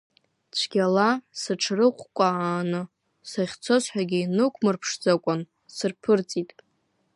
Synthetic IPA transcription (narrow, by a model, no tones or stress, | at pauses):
t͡ʃʷʰɡʲalasɨʈ͡ʂʰrɨqʷʰʼkʷʼaaːnɨ | saχʲt͡sʰo̞zħʷᶣaɡʲɪinɨkʷʰmɨrpʰʂd͡zakʷʼan | sɨrpʰɨrt͡sʼitʼ